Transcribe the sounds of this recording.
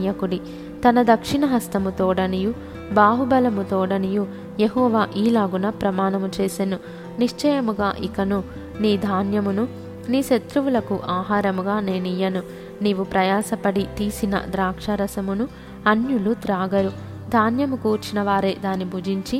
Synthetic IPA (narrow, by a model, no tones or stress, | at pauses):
jɐkuɽi | t̪ɐnɐd̪ɐkʂiɳɐɦɐst̪ɐmut̪ɔːɽɐniju | baːɦubɐlɐmut̪ɔːɽɐniju | jeɦɔːʋaːʔiːlaːɡunɐpɾɐmaːnɐmut͡ʃeːsenu | niʂt͡ʃɐjɐmuɡaːʔikɐnu | niːd̪ʱaːnjɐmunu | niːʃet̪ɾuʋulɐkuʔaːɦaːɾɐmuɡaːneːnijːɐnu | niːʋupɾɐjaːsɐpɐɽit̪iːsinɐ̰d̪ɾaːkʂɐɾɐsɐmunu | ɐnjulut̪ɾaːɡɐɾu | d̪ʱaːnjɐmukuːɾt͡ʃinɐʋaːɾeːd̪aːnːibʱuːd͡ʒiɲt͡ʃi